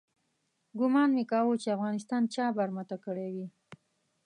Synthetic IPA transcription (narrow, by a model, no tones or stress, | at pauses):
ɡʊmɑnmekɑwot͡ʃeafɣɑnɪs̬t̪ɑnt͡ʃɑbaɾmat̪akəɽewi